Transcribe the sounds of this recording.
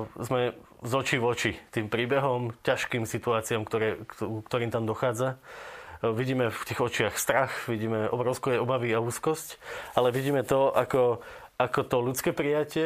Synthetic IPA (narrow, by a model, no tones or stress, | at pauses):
zmɛ | zɔt͡ʃiʋɔt͡ʃit̪iːmpɾiːbɛɦɔmcaʃkiːmsit̪uaːt͡siamkt̪ɔɾɛːkt̪ɔɾiːmt̪aːmd̪ɔxaːd͡za | ʋiɟiːmɛft̪iːɣɔt͡ʃɪaxst̪ɾaxʋiɟiːmɛʔɔ̰bɾɔʊskɛɛɔbaʋiauːskɔscʔalɛʋiɟiːmɛt̪ɔakɔ | ʔakɔt̪ɔlut͡skɛːpɾijacɪɛ